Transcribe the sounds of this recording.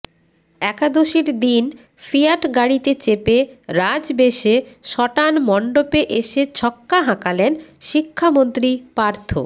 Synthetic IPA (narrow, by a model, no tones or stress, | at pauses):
ɛkad̪oʃiɾd̪in | fijaʈɡaɽit̪et͡ɕepeɾad͡ʑbeʃeʃɔʈanmɔɳɖopeʔeʃet͡ɕʰɔkːaɦãkalenʃikʰːamont̪ɾipaɾt̪ʰo̰